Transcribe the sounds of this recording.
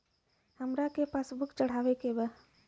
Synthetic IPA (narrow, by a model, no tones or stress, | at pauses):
həmɾakepaːsbʊkt͡ʃəɽ̤aːʋekebə